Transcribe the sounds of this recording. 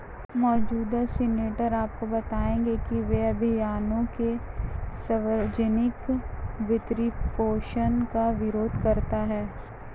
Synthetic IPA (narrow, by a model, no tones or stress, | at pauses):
mɔːd͡ʒuːd̪asɪneːʈəɾaːp̚kobɐt̪aːẽːɡekiʋeɐbʱɪjaːnõkesɐʋəd͡ʒənɪkʋɪt̪ɾipoːʃənkaʋɪɾoːd̪ʱkɐɾt̪aɦɛː